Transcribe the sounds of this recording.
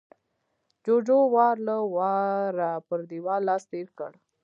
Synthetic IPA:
d͡ʒod͡ʒowɑɾləwɑɾapəɾd̪iwɑlɑst̪eɾkə̰ɽ

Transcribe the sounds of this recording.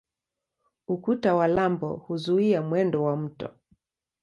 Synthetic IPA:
ukutawalambɔ̰huzuiamwɛndɔwam̩tɔ̰

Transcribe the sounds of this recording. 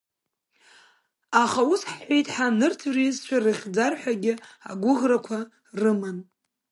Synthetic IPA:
aχausħħʷejtʼħanɨrtʰurizt͡ʃʷʰarɨχʲd͡zarħʷᶣaɡʲɪa̰ɡʷʊʁrakʷʰa | rɨmɨn

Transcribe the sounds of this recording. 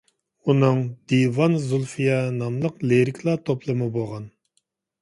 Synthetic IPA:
unɨŋd̪ivɑnzulˠfijɑnɑmlˠəqleɾɪkʲʰlˠɑt̪ʰoplˠɨmɨboʁɑn

